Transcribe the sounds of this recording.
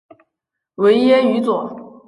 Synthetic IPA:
we˧˥ɪjɛ˥y˧˥t͡swɔ˨˩˦

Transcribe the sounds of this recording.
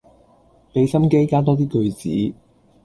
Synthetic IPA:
p̪e˨˧jsɐ˥mke˥jkaː˥t̪̬ɔː˥t̪̬iː˥kɵ˧ɥt͡sḭː˨˥

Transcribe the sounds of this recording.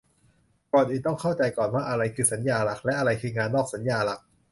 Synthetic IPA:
kɔː˨˩nʔiː˨˩t̪ɔ˥˩ŋkʰa˥˩wt͡ɕa˧jkɔː˨˩nwaː˥˩ʔa˧ɾa˧jkʰɯː˧sa˩˦njaː˧la˨˩k̚lɛ˦˥ʔa˧ɾa˧jkʰɯː˧ŋaː˧nːɔː˥˩k̚sa˩˦njaː˧la˨˩k̚

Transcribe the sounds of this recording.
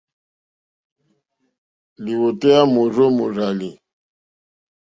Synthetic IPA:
li˨wɔ˨tɛ˦ja˦mo˨rɔ˦mu˨ɾa˨li˨

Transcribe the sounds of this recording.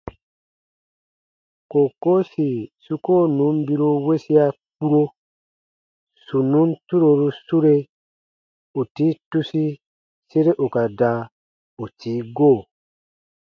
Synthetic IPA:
ko˨ko˦si˨su˦ko˦˨nũ˨˦m˦bi˦ɾu˦we˦si˦a˦k͡pu˦ɾo˦ | su˨nũ˦ntu˦ɾo˧˨ɾu˦su˦ɾe˦ | u˨tiː˨˦tu˦si˦ | se˦ɾe˦ʔu˨ka˨da˨˦ | u˨tiː˨˦ɡoː˦˨

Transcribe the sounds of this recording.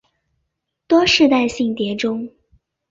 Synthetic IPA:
t̪wɔ˥ʂɻ̩˥˧t̪a˥˧ɪɕi˥˩ŋt̪jɛ˧˥ʈ͡ʂʊ˥ŋ

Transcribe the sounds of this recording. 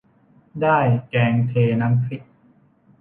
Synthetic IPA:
daː˥˩jkɛː˧ŋt̪ʰeː˧na˦˥msʰi˨˩ʔ̚

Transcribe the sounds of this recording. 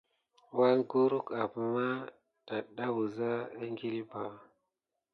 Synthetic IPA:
wa˦ŋɡu˦ɾu˦ka˨pma˦ | ta˨ɗa˦wu˨za˦e˦ŋɡi˦li˦ba˨

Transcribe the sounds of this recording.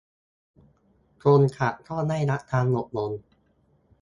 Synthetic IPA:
t̪ʰoː˧nkʰa˨˩t̪ʰɔː˥˩naː˥˩jna˦˥ʔ̚t̪ʰaː˧nmo˨˩t̪̚no˧n

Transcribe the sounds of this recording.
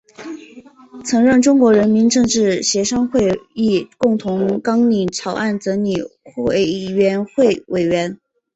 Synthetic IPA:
t͡sʰɤ˧˥ŋɻə˥˩nʈ͡ʂʊ˥ŋkwɔ˧˥ɻə˧˥nmi˧˥nʈ͡ʂɤ˥˧ŋʈ͡ʂɻ̩˥˩ɕjɛ˧˥ʂɑ˥ŋxwe˥˧ɪi˥˩kʊ˥˩ŋt̪ʰʊ˧˥ŋkɑ˥ŋni˨˩ʈ͡ʂʰɑ˨˧˥ʊʔa˥˩nt͡sɤ˧˥ni˨˩xe˥˩ɪɥɛ˧˥nxwe˥˩ɪwe˨˩ɪɥɛ˧˥n

